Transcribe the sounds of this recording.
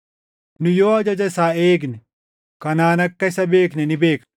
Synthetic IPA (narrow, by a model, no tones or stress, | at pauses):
nʊjoːɐd͡ʒɐd͡ʒɐɪsaːeːɡnɛ | kɐnaːnɐkːɐɪsɐbe̞ːknɛnɪbe̞ːk